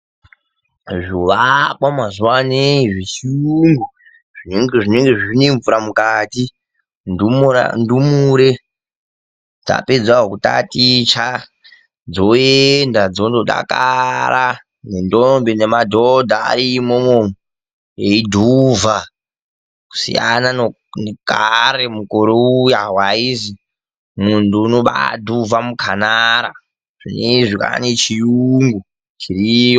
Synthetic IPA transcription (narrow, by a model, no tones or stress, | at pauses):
ʐuʋakwamazuwaneʐiʃiŋɡu | ʐ̥ineŋɡeʐineŋɡe̞ʐineɱvuɾamukati | ndumua̰ndumuɾe | d͡za̰ped͡zwaokuta̰tit͡ʃa | d͡zoendad͡zondoɗa̰kaɾa | nendombenemadʱodʱa̰ːɾimomom | eidʱuva | ku̥sḭja̰nano | nekʼaɾemukoɾoujaɦwaizi | muntuːnoɓa̰dʱuvamukʰanaɾa̰ | ʐineʐika̰net͡ʃijuŋɡu | t͡ʃirijo